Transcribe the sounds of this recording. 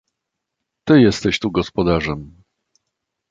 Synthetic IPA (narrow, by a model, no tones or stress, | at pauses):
t̪ɘjɛst̪ɛɕt̪uɡɔspɔd̪aʐɛm